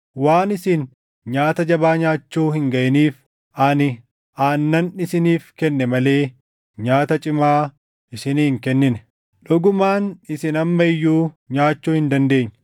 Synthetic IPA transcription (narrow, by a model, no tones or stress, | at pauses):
waːnɪsɪn | ɲaːt̪ɐd͡ʒɐbaːɲaːt͡ʃːuːhɪŋɡɐʔɛniːf | ʔanɪ | ʔaːnːɐnɪsɪniːfkɛnːɛmɐle̞ː | ɲaːt̪ɐt͡ʃʼɪmaː | ʔɪsɪniːŋkɛnːɪnɛ̥ | ᶑʊɡʊmaːnɪsɪnɐmːɐɪjːuː | ɲaːt͡ʃːuːhɪnd̪ɐnd̪e̞ːɲː